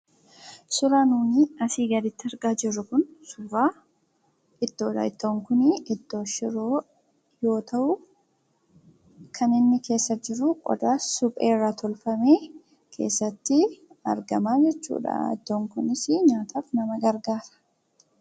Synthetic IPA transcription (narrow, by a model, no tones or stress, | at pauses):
sʊɾaːnuːniːɐsiːɡɐd̪ɪt̪ːɪɐɾɡaːd͡ʒɪrːʊkʊnsʊɾaː | ɪt̪ːoːᶑ̪a̰ːɪt̪ːoːŋkʊnɪɪt̪ːo̞ːʃɪɾoː | jo̞ːt̪ʰɐʔʊ | kʰɐnɪnːɪke̞ːsːɐd͡ʒɪɾʊkʼɔ̰d̪aːsʊpʼḛːrːaːt̪ʰɔlfɐme̞ː | kʰe̞̰ːsːɐt̪ːɪ | ɐ̰ɾɡɐmaːd͡ʒɛt͡ʃːṵːᶑa̰ɪ̰t̪ːoːŋkʊnɪsɪɲaːt̪ʰaːfnɐmɐɡɐɾɡaːɾɐ̥